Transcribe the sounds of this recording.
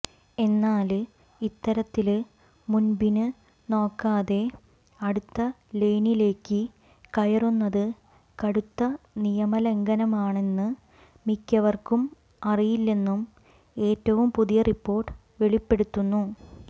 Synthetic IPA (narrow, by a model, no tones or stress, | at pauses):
e̞nːaːl | it̪ːɐɾɐt̪ːil | munbinɨ | no̞ːkːaːðe̞ | ɐɽut̪ːɐ | le̞jnile̞ːkːɨ | kɐjɐrunːɐðɨ | kɐɽut̪ːɐnijɐmɐle̞ŋɡɐnɐmaːɳe̞nːɨ | mikʲːɐʋɐrkum | ɐrijilːe̞nːum | e̞ːtːɐʋumpuðijɐripːo̞ːrʈːɨ̥ | ʋe̞ɭipːe̞ɽut̪ːunːu